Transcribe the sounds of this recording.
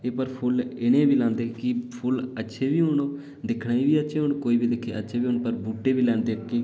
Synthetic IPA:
eːpəɾpʰʊlɪnẽːbiːlãːnd̪eːkɪpʰʊlətːʃʰeːbiːɦʊɳoː | d̪ɪkʰnaːiːbiːətːʃʰeːɦʊɳkoːiːbiːd̪ɪkʰːeːətːʃʰeːbiːʊnpəɾbuːʈːeːbiːlɛ̃ːnd̪eːkːeː

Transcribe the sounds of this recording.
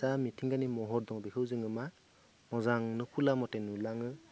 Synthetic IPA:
amitʰiŋɡanimɔɦɔɾdɔŋbikʰɯwzɯŋɯma | mɔzaŋnɯkʰulamɔtenulaŋɯ

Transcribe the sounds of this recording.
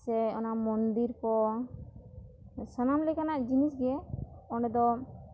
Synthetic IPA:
sɛɔnamɔnd̪iɾkɔ | sənamlɛkanaʔd͡ʒinisɡɛɔnɛd̪ɔ

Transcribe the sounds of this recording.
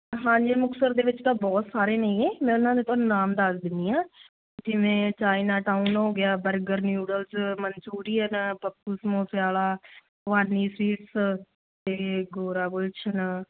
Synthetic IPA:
ɦãːd͡ʒiːmʊksəɾd̪eːʋɪt͡ʃt̪ãːbɔːt̪saːɾeːnəĩːẽːmɛ̃ːʊnãːd̪eːt̪ʰõːnunaːmd̪aːsd̪ɪnd̪iːãː | ʊsiːmɛ̃ːt͡ʃaːinaːʈaːunɦoːɡɪjaːbəɾɡəɾnjuːɖəlsmənt͡ʃuːɾiːɦənpəpːuːsmoːsɪjaːlaː | ʋaːnːiːsɾiːʈs | t̪eːɡoːɾaːkʊt͡ʃʰən

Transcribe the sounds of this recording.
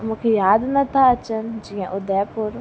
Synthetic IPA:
mũːkʰejaːd̪nɐt̪ʰaɐt͡ɕənd͡ʑĩːə̃ʔʊd̪ɛpʊɾ

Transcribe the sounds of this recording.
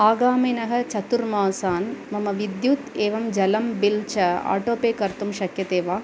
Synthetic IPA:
aːɡaːminɐɦɐ̆t͡ʃɐt̪uɾmaːsaːnmɐmɐʋid̪jut̪eːʋɐmd͡ʒɐlɐmbilt͡ʃɐa̰ːʈoːpeːkɐɾt̪umʃɐkjɐt̪eːʋaː

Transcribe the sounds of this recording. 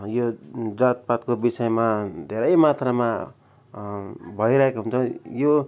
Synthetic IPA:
jod͡zat̪̚pat̪̚kobisʌjemad̪ʱeɾʌjmat̪rama | bʱʌjɾʌɦekoɦunt͡sʰʌjo

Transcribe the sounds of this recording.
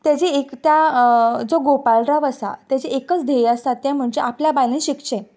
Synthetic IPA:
t̪jad͡ʑeekt̪jad͡zoɡopalɾaʋəsa̰t̪jad͡ʑeekət͡sd̪ʱejəst̪at̪jãm̤əɳd͡ʑeʔapljabajlẽɕikʂɛ̃

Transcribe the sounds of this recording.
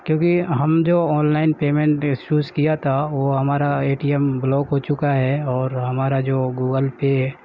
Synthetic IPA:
kjõːkiɦɐmd͡ʒoːɔːnlaːɪnpeːmẽɳʈɪsuːzkijat̪ʰaʋoɦɐmaːɾaeːʈiɛmblɔːɡɦot͡ʃʊkaɦɛːɔːɾɦɐmaːɾad͡ʒoːɡuːɡəlpe

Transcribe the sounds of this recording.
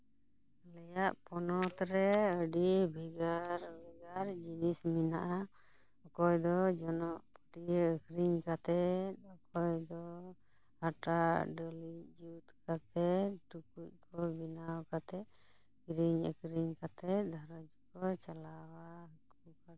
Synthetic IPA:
lɛjaʔpɔnɔt̪ɾɛəɖibʱiɡaɾbʱɛɡaɾd͡ʒinisminaʔa | ɔkɔjd̪ɔd͡ʒɔnɔʔpɔʈijəəkɾiɲkat̪ɛt̪̚ɔkɔjd̪ɔ | haʈaɖɔlid͡ʒut̪kat̪ɛʈukuc̚ˀkɔbinawkat̪ɛ | ɡɾiɲə̰kɾiɲkat̪ɛd̪ʱaɾɔd͡ʒkɔt͡ʃalawaɦək̪kuka

